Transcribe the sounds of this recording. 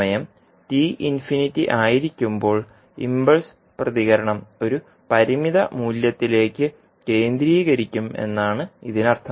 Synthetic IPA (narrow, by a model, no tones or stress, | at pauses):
ɐjɐm | tiːʔinfinitːḭʔaːjiɾikʲːumbo̞ːɭ | ḭmbɐɭs | prɐðiɣɐɾɐɳɐmo̞ɾu | pɐɾimiðɐ̰muːljɐt̪ːile̞ːkʲːɨ | ke̞ːnd̪ɾiːɣɐɾikʲːume̞̰nːaːɳɨiðinɐrt̪ʰɐ